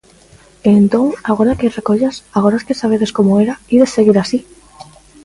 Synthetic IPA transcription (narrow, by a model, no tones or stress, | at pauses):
ent̪õŋaɣ̞oɾakerekoʎasaɣ̞oɾaskesaβ̞eðeskomoeɾaiðesːeɣiɾasi